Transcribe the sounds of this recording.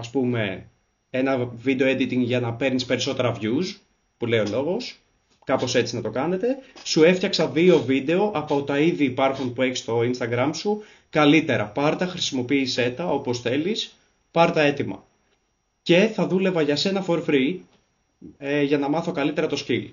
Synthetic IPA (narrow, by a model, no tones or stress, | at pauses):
ɐspume̞ | enɐvid̪eo̞ed̪it̪iŋɡʝɐnɐpe̞ɾnispe̞ɾiso̞t̪e̞ɾɐvʝus | pulejo̞lo̞ɣo̞s | kɐpo̞se̞t͡sinɐt̪o̞kɐne̞t̪e̞sue̞ftçɐksɐðio̞vid̪e̞o̞ʔɐpo̞t̪ɐiðiːpɐɾxunpue̞çi̥st̪o̞inst̪ɐɡɾɐmsu | kɐlit̪e̞ɾɐpɐɾt̪ɐxɾisimo̞piːse̞t̪ɐopo̞sθe̞lis | pɐɾt̪ɐe̞t̪imɐ̰ | ce̞θɐðule̞vɐʝɐse̞nɐfo̞ɾfɾi | eʝɐnɐmɐθo̞kɐlit̪e̞ɾɐt̪o̞scil